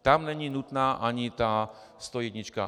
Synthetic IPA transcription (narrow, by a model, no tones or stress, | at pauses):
t̪amnɛɲiːnut̪naːʔaɲit̪aː | st̪ɔjɛdɲit͡ʃka̰